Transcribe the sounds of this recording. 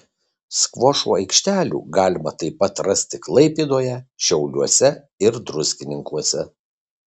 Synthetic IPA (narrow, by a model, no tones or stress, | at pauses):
skʋɔʃṵːɐɪkʃʲt̪ʲæːlʲṵːɡɑːlʲɪmɐt̪ɐɪpɐt̪ɾɐsʲt̪ʲɪklˠɐɪpʲiːd̪oːjɛʃʲɛʊlʲuɔsʲɛ | ɪɾd̪ɾʊzʲɡʲɪnʲɪŋkuɔsʲɛ